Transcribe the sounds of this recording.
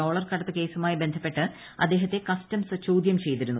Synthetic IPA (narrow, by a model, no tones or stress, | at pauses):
oːɭɐrkɐɽɐt̪ːɨke̞ːsumaːjibe̞nd̪ʱɐpːe̞ʈːɨ | ɐ̰d̪ːe̞ːɦɐt̪ːe̞kɐstɐmsɨt͡ɕoːd̪jɐmt͡ɕe̞jt̪iɾunːu